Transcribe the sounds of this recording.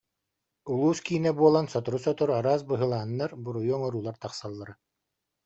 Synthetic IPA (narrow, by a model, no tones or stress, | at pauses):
ulˠuːskiːnɛbuɔlˠansɔt̪uɾusɔt̪uɾaɾaːsbɯɦɯlˠaːnːaɾbuɾujuːŋɔɾuːlˠaɾt̪aχsalˠːaɾa